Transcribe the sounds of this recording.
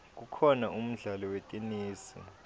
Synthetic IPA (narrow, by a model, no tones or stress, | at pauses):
k̬ʼukʰɔnaum̩ɮalɔwetʼiniːsḭ